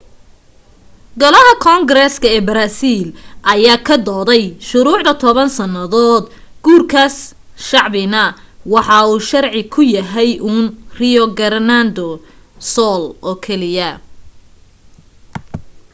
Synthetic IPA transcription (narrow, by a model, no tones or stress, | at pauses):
ɡɔlɐɦɐkʰɔŋɡɾɛskʰɐɛːbɐɾaːsiːlʔɐjaːkʰɐd̪ɔːðɛjʃʊɾuːʕd̪ɐt̪ʰɔβɐnsɐnɐðɔːd̪ | ɡ̥uːrkʰas | ʃɑʕbɪnɐ | wɑħɑuːʃɐrʕɪkʰʊjɐɦɛjʔuːnrɪɔɡɐrnaːnd̪ɔ | sɔːlɔːkʰɛlɪjɐ